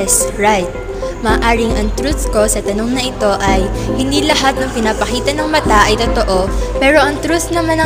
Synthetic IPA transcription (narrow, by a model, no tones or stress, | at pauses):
sɹajt̪̚ | mɐːʔaːɾɪŋʔɐŋt̪ɾuθko̞sɐt̪ɐno̞ŋnɐʔɪt̪o̞ʔɐj | hɪnd̪ilɐɦat̪̚nɐŋpɪnapɐkiːt̪ɐnɐŋmɐt̪aʔɐjt̪ot̪o̞ʔo̞pɛːɾo̞ʔɐŋt̪ɾuθnɐmanɐ